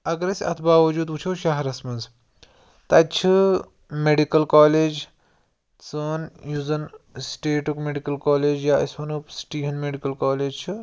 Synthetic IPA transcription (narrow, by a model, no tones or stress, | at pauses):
ɐɡɐɾɐsʲɐ̰t̪ʰbaːʋɐd͡ʒuːd̪ut͡ʃʰoːwʃaɦɐɾɐsmɐnz | t̪ɐt͡ʃʰɨ | meɖikɐlkaːleːd͡ʒ | t͡sɐnjuːzɐnsʈeːʈukmeɖikɐlkaːleːd͡ʒjaːɐsʋɐnupsʈiːɦɐnmeɖikɐlkaːleːd͡ʒt͡ʃʰɨ